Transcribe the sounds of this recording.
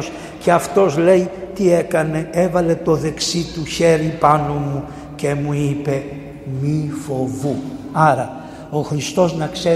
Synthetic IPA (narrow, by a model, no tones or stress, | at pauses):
s | ce̞ɐft̪o̞zle̞jt̪ie̞kɐne̞e̞vɐle̞t̪o̞ðe̞ksit̪uçe̞ɾipɐnomu | ce̞muipe̞ | mifo̞vuɐɾɐ | o̞xɾist̪o̞znɐkse̞